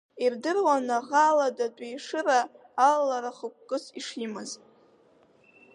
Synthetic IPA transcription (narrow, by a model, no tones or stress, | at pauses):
irdɨrwanaʁaladatʼijʂɨraː | lːaɾaχək̚ʷkʼɨsiʂimɨz